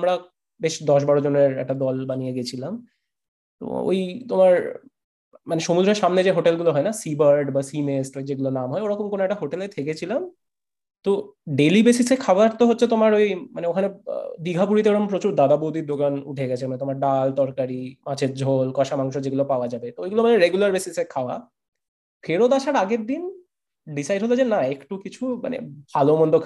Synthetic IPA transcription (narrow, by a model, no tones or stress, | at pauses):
amɾa | beʃd̪ɔʃ̬baɾod͡ʑoneɾɛ̰k̚ʈad̪ɔlbanijeɡiet͡ɕʰilam | t̪o̰o̰jt̪omaɾ | maneʃomud̪ɾeɾʃamned͡ʑeɦoʈelɡuloɦɔenasibaɾɖbasimesʈojd͡ʑeɡulonamɦɔeoɾɔkomkonoɛk̚ʈaɦoʈelet̪ʰeket͡ɕʰilam | t̪o | ɖelibesisekʰabaʈt̪oɦotːɕʰet̪omaɾojmaneokʰanḛd̪iɡʱapuɾit̪eoɾɔmpɾot͡ɕuɾd̪ad̪abod̪ʱiɾd̪okanṵʈʰeɡɛt͡ɕʰemanet̪omaɾɖalt̪ɔɾkaɾimãt͡ɕʰed͡ʑʱolkɔʃamaŋʃod͡ʑeɡulopaoad͡ʑabet̪oojɡulomaneɾeɡjulaɾbesisekʰaoa̰ | fʰeɾod̪aʃaɾaɡeɾd̪in | ɖisajɖɦolod͡ʑenaekʈukit͡ɕʰuma̰nḛbʱalomɔnd̪ʱokʰ